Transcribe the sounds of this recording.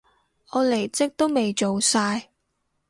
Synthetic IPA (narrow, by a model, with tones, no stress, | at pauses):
ɔː˨˧le˨˩jt͡sɪ˥k̚t̪o˥wme˨jt͡ʃo˨wsaː˧j